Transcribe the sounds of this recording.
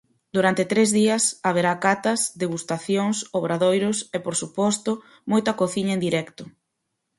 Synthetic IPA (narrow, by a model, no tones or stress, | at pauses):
d̪uɾant̪et̪ɾezðiɐsaβ̞eɾakat̪ɐzd̪eɣust̪aθjoŋsoβ̞ɾaðojɾʊsepoɾsupɔst̪ʊ | mojt̪ɐkoθiɲɐend̪iɾɛkt̪ʊ